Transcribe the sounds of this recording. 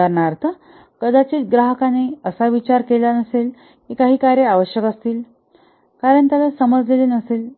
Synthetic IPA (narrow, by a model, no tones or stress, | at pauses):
əɾɳaɾt̪ʰə | kəd̪at͡ɕiːt̪̚ɡɾaɦəkaneəsaʋit͡ɕaɾkelanəsel | kikaɦiːkaɾjəaʋəɕjəkəst̪iːl | kaɾəɳt̪jalasəməd͡zlelenəseːl